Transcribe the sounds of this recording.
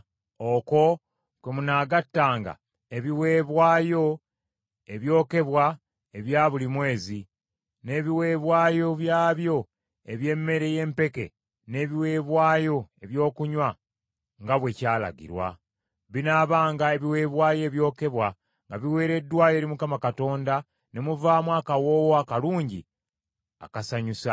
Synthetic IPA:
oko̞ | kwemunaːɡatːaːŋɡa̰ | e̞βiwe̞ːβwaːjo̞ | eβjo̞ːke̞βwa | eβjaːβulimwe̞ːzi | ne̞ːβiwe̞ːβwaːjo̞βjaːβjo̞ | e̞βje̞mːe̞ɾe̞je̞ːmpe̞ke̞̰ | ne̞βiwe̞ːβwaːjo̞e̞βjo̞ːkuɲwa | ŋɡaβwe̞caːla̰ɡḭɾwa̰ | βinaːβaːŋɡae̞βiwe̞ːβwaːjo̞βjo̞ːke̞βwa | ŋɡaβiwe̞ːɾe̞dːwaːjo̞ːɾimukamakato̞ːnda | ne̞muvaːmwaːkawo̞ːwoakaluːɲɟi | a̰kasaɲusa

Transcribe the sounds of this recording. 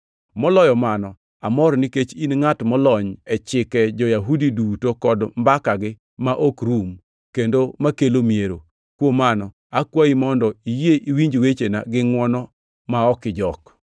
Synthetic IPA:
mɔlɔjɔmanɔ | amɔɾniket͡ʃinŋatmɔlɔɲɛt͡ʃɪkɛd͡ʒɔjaɦudidutokɔdmbakaɡɪ | maʔokɾum | kendomakelomieɾo | kwomanɔ | akwaimɔndɔijeʔiwiɲd͡ʒwet͡ʃenaɡɪŋwɔnɔ | maɔkɪd͡ʒɔk

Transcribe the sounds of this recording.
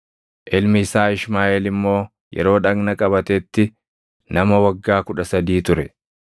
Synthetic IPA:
ʔɪlmɪɪsaːɪʃmaːʔeːlɪmːo̞ː | jʔɛ̰ɾo̞ːᶑɐɡnɐkʼɐbɐt̪ɛt̪ːɪ | nɐmɐwɐɡːaːkʊᶑɐsɐd̪iːt̪ʊɾɛ

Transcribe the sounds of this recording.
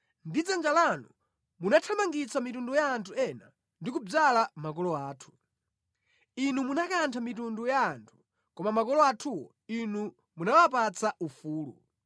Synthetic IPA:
ndid͡zand͡ʒalanṵ | munatʰamaŋɡit͡sʰamitundɔjaːntʰuɛna̰ | ndikub͡ʐalamakɔlɔaːtʰu̥ | inumunakantʰamitundujaːntʰu̥ | kɔmamakɔlɔatʰuwɔ̰ | inu | munawap̬at͡saufuːlṵ

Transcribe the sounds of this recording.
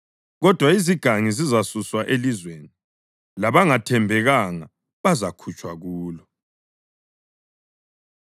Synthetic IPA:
ɣɔd̥ʱwaiziɡ̥ʱaŋizizasuswaʔelizweːni | laβaŋatʰɛmbʱɛɣaŋa | βazakʰut͡ʃʼwaɣuːlɔ

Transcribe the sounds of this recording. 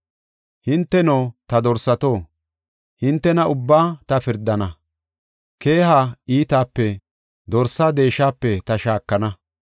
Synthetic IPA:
hɪnt̪ːɛnoːt̪ɐd̪ɔɾsːɐt̪oː | hɪnt̪ːɛnɐʊbːaːt̪ɐfɪɾd̪ɐnɐ | ke̞ːhaːiːt̪aːpːɛ | d̪ɔɾsad̪e̞ːʃaːpːɛt̪ɐʃaːkːɐnɐ

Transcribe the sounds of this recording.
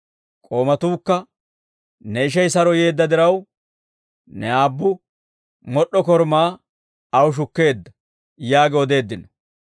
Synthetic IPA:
kʼo̞ːmɐt̪uːkːɐ | nɛɪʃ̬ɛjsɐɾɔje̞ːd̪ːɐd̪ɪɾɐw | nɛaːbːʊ | mɔɗːɔkɔɾmaː | ɐwʃ̬ʊkːe̞ːd̪ːɐ | jaːɡɛɔd̪e̞ːd̪ːɪnɔ

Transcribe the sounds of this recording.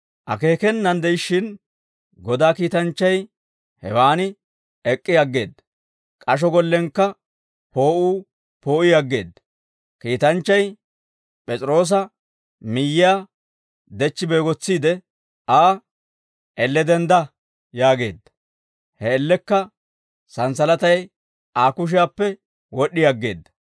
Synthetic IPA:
ʔɐ̰ke̞ːkɛnːɐnd̪ɛjɪʃɪn | ɡɔd̪aːkiːt̪ɐnt͡ʃːɐj | hɛ̰waːnɪ | ɛkʼːɪjɐɡːe̞̰ːd̪ːɐ | kʼɐʃ̬ɔɡɔlːɛŋkːɐ | po̞ːʔuː | po̞ːʔɪjɐɡːe̞̰ːd̪ːɐ̥ | kiːt̪ɐnt͡ʃːɐj | pʼɛt͡sʼɪɾo̞ːs̬ɐ | mɪjːɪja | d̪ɛt͡ʃːɪbeːɡɔt͡sːiːd̪ɛ | aː | ʔɛlːɛd̪ɛnd̪ɐ | jaːɡe̞̰ːd̪ːɐ̥ | hɛːlːɛkːɐ | sɐnsɐlɐt̪ɐj | aːkʊʃ̬ɪjaːpːɛ | wɔɗɪjɐɡːe̞̰ːd̪ːɐ̥

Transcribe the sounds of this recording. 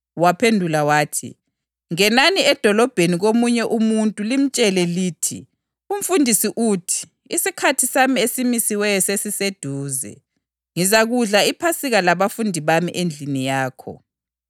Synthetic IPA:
wapʰendʱulawaːtʰḭ | ŋɛnaniɛd̥ʱɔlɔb̥ʱeniɣomuɲɛʔumuntʼulim̩t͡ʃʼɛlɛliːtʰḭ | um̩fundʱisiʔuːtʰi̥ | isikʰatʰisamiesimisiwɛjɔsesised̥ʱuːzɛ̰ | ŋizaɣuɮaipʰasiɣalaβafundʱiβamḭʔend͡ɮʱinijaːkʰɔ̰

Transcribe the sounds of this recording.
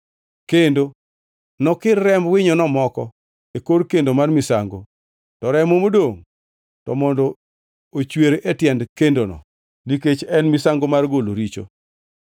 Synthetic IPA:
kendo | nɔkɪrːɛmwɪɲɔnɔmɔkɔ | ekorkendomarmɪsaŋɡo̰ | tɔɾɛmomodoŋ | tɔmɔndɔ | ot͡ʃweɾetjɛndkendonɔ̰ | niket͡ʃɛnmɪsaŋɡomarɡoloɾit͡ʃo̰

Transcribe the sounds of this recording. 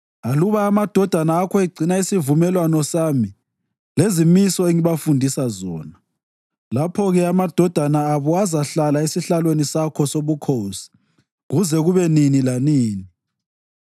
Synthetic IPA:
aluβaːmad̥ʱɔd̥ʱanaːkʰɔiɡ͡ǀʱinaisivumɛlwanɔsaːmi | lezimisɔeŋiβafundʱisazɔːna | lapʰɔɣɛamad̥ʱɔd̥ʱanaːβɔazaɬalaesiɬalwenisakʰɔsoβukʰosi̥ | ɣuzɛɣuβɛninilaniːni

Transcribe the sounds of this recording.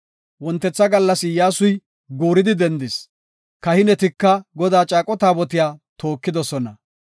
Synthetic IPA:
wɔnt̪ːɛt͡sːɐɡɐlːɐsɪjaːsʊj | ɡuːɾɪd̪ɪd̪ɛnd̪ɪs | kɐhɪnɛt̪ɪkːɐɡɔd̪aːt͡ʃʼaːkʼɔt̪aːbɔt̪ɪjaːt̪ʰo̞ːkːɪd̪ɔsɔnɐ

